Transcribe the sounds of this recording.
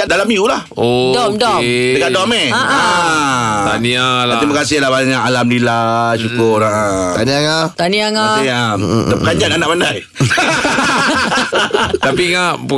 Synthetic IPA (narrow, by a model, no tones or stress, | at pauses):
aʔ̚dalamiula | odɔmdɔdəkadɔmeaʔa | aniaaɾimakasɪhlahbaɲakalamlilasukʊrat̪aniaŋat̪aniaŋaniaakad͡ʒananaʔmandaj | t̪apiŋaʔ